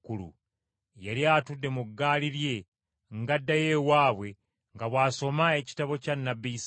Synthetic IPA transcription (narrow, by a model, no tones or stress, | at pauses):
kulṵ | jaliatudːe̞muɡːaːliɾje̞ | ŋɡadːajewaːβwe̞ | ŋɡaβwaːso̞mae̞ci̥taβo̞canːabis